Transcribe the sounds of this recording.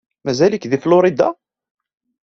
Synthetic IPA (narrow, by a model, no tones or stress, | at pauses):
mæzæləkðiflʊɾid̪a̰